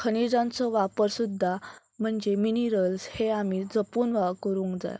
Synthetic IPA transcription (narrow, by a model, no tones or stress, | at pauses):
kʰənid͡zãnt͡sɔʋapəɾsud̪ʱːa | m̤əɳd͡zeminiɾəlsheamid͡zəpuːnʋakəɾũŋkd͡za̰ja̰